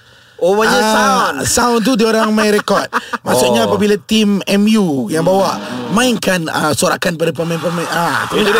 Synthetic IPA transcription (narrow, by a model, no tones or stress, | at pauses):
owad͡ʒaasaʊ̃nt̪̬udioɾaŋmajɾɛkɔt̪̚masʊʔ̚ɲaːpabilat̪imɛmjujaŋbawaʔmãinkanə̰soɾa̰kanp̬adapəmampəmat̪u